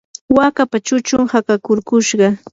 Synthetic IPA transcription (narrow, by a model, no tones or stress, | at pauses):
wakapat͡ʃʊt͡ʃʊŋhakakʊɾkʊʃɢɑ